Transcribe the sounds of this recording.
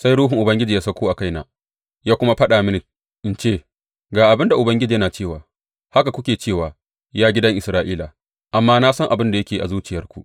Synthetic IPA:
sa˦jɽuː˦ɦɪ˨ŋʔʊ˨bɐ˦ŋɡʲɪ˦d͡ʒiː˨ja˦sɐ˦kʷuː˦ʔa˨ka˦jna̰ː˦ | jaː˦kʷʊ˦ma˦ɸɐ˦ɗaː˨mɪ˦ni˨ | ʔɪ˨˦nt͡ʃeː˦˨ | ɡaː˨ʔa˨bɪ˦nda˨ʔʊ˨bɐ˦ŋɡʲɪ˦d͡ʒiː˨jɐ˦naː˨t͡ʃeː˦˨waː˨ | ha˦ka˨kʷʊ˦kʲeː˨t͡ʃeː˦˨waː˨ | jaː˦ɡʲɪ˦dɐ˦ŋʔɪ˨sɾaː˦ʔiː˦la˨ | ʔa˨mːaː˦naː˦sɐ˦ŋʔa˨bɪ˦nda˨jɐ˦kʲeː˨ʔa˨zuː˦t͡ʃɪ˨jɐ˦rkʷu˨ʔ

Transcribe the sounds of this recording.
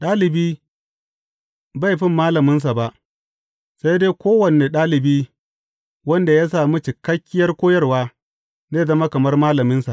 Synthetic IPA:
ɗaː˦lɪ˨biː˦ | ba˦˨jɸɪ˦mːaː˦lɐ˨mɪ˦ns̬a˨ba˨ʔ | sa˦jdeː˦kʷoː˦wɐ˨neː˨ɗaː˦lɪ˨biː˦ | wɐ˦nda˨jaː˦s̬aː˨mu˦t͡ʃɪ˨kɐ˦kʲːɪ˦jɐ˦rkʷoː˦jɐ˦rwaː˦ | neː˦zɐ˦ma˦kɐ˨mɐ˦rmaː˦lɐ˨mɪ˦nsa˨ʔ

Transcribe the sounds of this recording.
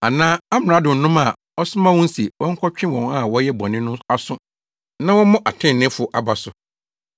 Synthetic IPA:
a˨nãː˦a˦m˨ɾã˨˦dʊ̃˨n̩˨nʊ̃˦ma˨ | ɔ˦sʊ˦mã˦wʊ̃˦n̩˦si˨wʔɔ̃˦ŋ̩˦kʰɔ˦t͡ɕᶣɪ̃˦wɔ̃˨na˦˨wɔ˦jɛ˦bɔ̃˨nɪ̃˦nʊ̃˦a˦sʊ̃˦ | nã˦wɔ̃˦mʊ̃˦ʔa˨tʰɪ̃˦˨nɪ̃˦fʊ˨ʔa˨ba˨sʊ˨

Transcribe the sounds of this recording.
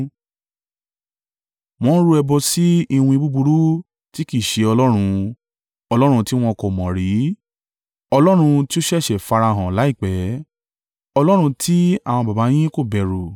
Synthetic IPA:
w̃ɔ̃˦ɾu˦ɛ˧bɔ˧si˦i˧wũ˧i˧bu˦bu˧ɾu˦ | ti˦ki˦˨ʃe˧ɔ˧lɔ˦ɾ̃ũ˧ | ɔ˧lɔ˦ɾ̃ũ˧ti˦w̃ɔ̃˧kɔ˨mɔ̃˨ɾi˨˦ | ɔ˧lɔ˦ɾ̃ũ˧ti˦o˦ʃɛ˦˨ʃɛ˨fa˧ɾa˧˨ɦã˨la˨˦i˦˨k͡pɛ˨˦ | ɔ˧lɔ˦ɾ̃ũ˧ti˦a˦˨w̃ɔ̃˧ba˨ba˨˦j̃ĩ˦ko˦˨bɛ˨ɾu˨

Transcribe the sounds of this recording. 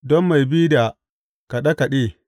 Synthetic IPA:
dɔ˦mːa˨jbi˦da˨ | ka˨ɗa˦ka˨ɗeː˦˨

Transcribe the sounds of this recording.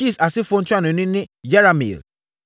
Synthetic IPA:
i˦˨sa˨sɪ˦fõ˦n̩˦tʰu˦a˦nʊ̃˨nĩ˦nɪ̃˦jɛ˦ɾa˨mḭ˨l

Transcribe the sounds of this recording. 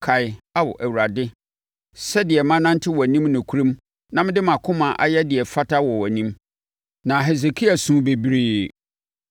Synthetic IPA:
kʰa˨ɪ˦a˦wɔ̰˨ʔæ˨wu˨ɾa˨dɪ˦ | sɛ˦dɪ˨ɛ˨mã˦nã˦n˦tʰɪ˦wɔ˨æ˨nĩ˦mnʊ̃˨kʰu˦ɾĩ˦m | nã˦mɪ̃˦dɪ˦mã˨kʰʊ̃˦mã˨ʔa˨jɛ˦dɪ˨ɛ˨fa˦tʰa˦wɔ˨wɔ˨nĩ˦m | nã˨ɦɛ˨s̬e˨kʰi˦a˨sũ˦be˨bi˦ɾiː˦

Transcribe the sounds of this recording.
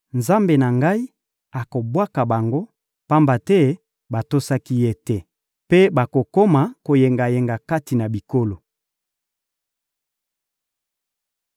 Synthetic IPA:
nza˦mbe˨na˨ŋɡa˦i˦ | a˨ko˨bwa˦ka˨ba˨ŋɡo˦ | pa˦mba˨tɛ˦ | ba˨to˦sa˦ki˦je˦tɛ˦ | pe˦ba˨ko˨ko˦ma˨ko˨je˨ŋɡa˨je˨ŋɡa˨ka˦ti˨na˨bi˨ko˦lo˨

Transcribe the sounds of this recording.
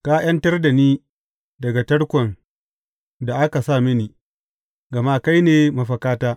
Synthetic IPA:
kaː˦j̰ɐ˦ntɐ˦rda˨niː˦ | dɐ˨ɡa˨tɐ˦ɽkʷɔ˨n | da˨ʔa˦ka˨sa˦˨mɪ˦niː˨ | ɡɐ˨maː˦ka˦jneː˨ma˨ɸɐ˨kaː˦taː˦

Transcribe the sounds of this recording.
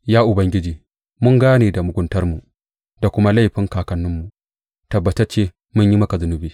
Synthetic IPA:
jaː˦ʔʊ˨bɐ˦ŋɡʲɪ˦d͡ʒiː˨ | mʊ˦ŋɡaː˦neː˨da˨mʊ˨ɡʷʊ˦ntɐ˦ɾmu˨ | d̥a˨kʷʊ˦ma˦la˦jɸɪ˦ŋkaː˨kɐ˨˦nːʊ˦mːu˨ | tɐ˨bːɐ˨tɐ˦t͡ʃeː˦ | mʊ˦ɲji˦mɐ˦ka˨zʊ˨nu˨biː˦

